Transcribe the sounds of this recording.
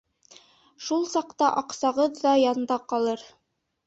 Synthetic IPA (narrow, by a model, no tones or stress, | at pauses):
ʃulˠsɑqt̪ɑʔɑqsɑʁɤðːɑjɑnd̪ɑqɑlˠɤɾ